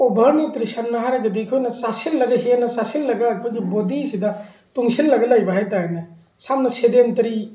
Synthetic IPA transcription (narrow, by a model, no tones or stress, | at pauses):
obʱɐɾnitɾisanːɐɦaɾɐɡɐdikʰojnɐsasilːɐɡɐɦenɐsasilːɐɡɐːkʰojɡibodisidɐ | tuŋsilːɐɡɐlɐjbɐɦajtaanɐ | samnɐsedentɐɾi